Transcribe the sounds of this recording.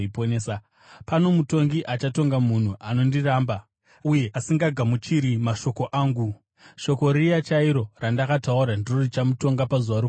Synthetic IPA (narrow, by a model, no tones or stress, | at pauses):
iponeːsa | pano̞muto̞ŋɡiʔat͡ʃato̞ŋɡamun̤uʔano̞ndiraːmba | uje̞ʔasiŋɡaɡʱamut͡ʃiɾimaʃo̞ko̞ʔaːŋɡu | ʃo̞ko̞ɾijat͡ʃaiɾo̞randakatauɾandiro̞rit͡ʃamuto̞ŋɡapazuʋaɾu